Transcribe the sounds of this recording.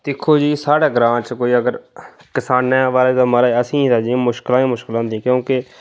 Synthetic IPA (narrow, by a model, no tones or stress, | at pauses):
d̪ɪkʰːoːd͡ʒiːsaːɽaːɡɾãːt͡ʃkoːiːəɡəɾkɪsaːneːʋaːleːd̪aːməɾaːəsĩːt̪aːd͡ʒĩmʊʃkɪlãːĩːmʊʃkɪlãːd̪ĩːkjõːkɪ